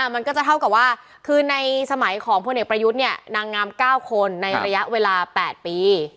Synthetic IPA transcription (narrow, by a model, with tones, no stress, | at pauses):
ʔa˥˩ma˧nkɔː˥˩t͡ɕa˨˩t̪ʰa˥˩wka˨˩p̚waː˥˩ | kʰɯː˧na˧jsa˧ma˩˦jkʰɔː˩˦ŋpʰo˧nʔe˨˩kpɾa˧ju˦˥t̪̚ni˥˩ɐəna˧ŋːaː˦˥mkaː˥˩wkʰo˧nːa˧jɾa˧ja˦˥ʔweː˧laː˧pɛː˨˩t̪̚piː˧